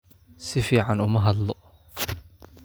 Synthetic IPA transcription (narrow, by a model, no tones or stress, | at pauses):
sɪfiːʕanʊmɐɦɐd̪lɔ